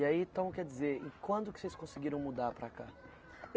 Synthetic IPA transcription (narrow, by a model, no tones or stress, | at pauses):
aiẽt̪ɐ̃w̃kɛd͡ʒizeɾḛ̃kwɐ̃nd̪ʊkɪ̥sejskõsɪɡiɾɐ̃w̃mud̪aɾpɾaka